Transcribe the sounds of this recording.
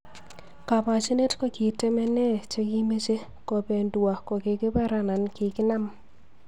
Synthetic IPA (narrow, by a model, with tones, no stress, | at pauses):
ka˨pa˨t͡ʃi˦ne˦tkɔ˦kɪ˨te˦mɛ˦nɛ˦t͡ʃe˦ki˦me˦t͡ʃe˦ | kɔ˨pe˨ndwa˨kɔ˨kɪ˨kɪ˦pa˦ɾa˨na˨nkɪ˨kɪ˦na˦m